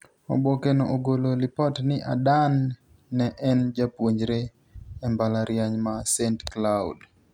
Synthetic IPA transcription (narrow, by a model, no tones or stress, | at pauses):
ɔ̰bokenoʔoɡololɪpɔtnɪʔa̰danː | ɛʔɛnd͡ʒapwoɲd͡ʒɾe | ɛmbalaɾjaɲmasentklaṵd